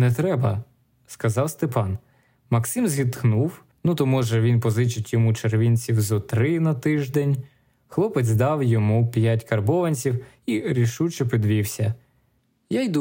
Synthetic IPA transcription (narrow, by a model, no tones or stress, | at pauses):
nɛt̪ɾɛbɐ | skɐzɑwst̪epɑn | mɐksɪmzʲɦʲit̪knuw | nut̪ɔmɔʒɛʋʲinpɔzɪt͡ʃɪtʲjɔmut͡ʃeɾʋʲinʲt͡sʲiwzɔt̪ɾɪnɐt̪ɪʒd̪ɛnʲ | xlˠɔpezʲzd̪ɑwjɔmupʲjatʲkɐrbɔʋɐnʲt͡sʲiw | iɾʲiʃut͡ʃɛpʲid̪ʋʲiwsʲɐ | jajd̪u